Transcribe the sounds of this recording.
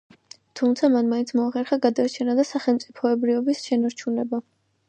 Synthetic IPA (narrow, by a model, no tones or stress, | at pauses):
t̪ʰumt̪sʰamanmaint̪sʰmɔaχɛɾχaɡad̪aɾt͡ʃʰɛnad̪asaχɛlˠmt̪sʼipʰɔɛbɾivɔbisʃɛnaɾt͡ʃʰunɛba